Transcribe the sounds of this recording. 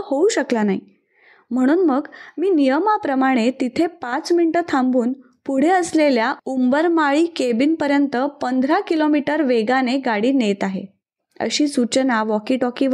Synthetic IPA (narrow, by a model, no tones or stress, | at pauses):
houɕəklanaɦi | m̤əɽ̃uːnməɡmiːnijəmapɾəmaɽ̃et̪it̪ʰepat͡sminʈət̪ʰãmbʱuːn | puɽ̤eəsleljaumbəɾmaɭiːkebiːnpəɾjənt̪əpənd̪ʱɾakilomiʈəɾʋeɡaneɡaɽiːnet̪aɦḛ | ə̰ɕiːsut͡ɕənaʋɔkiːʈɔkiʋ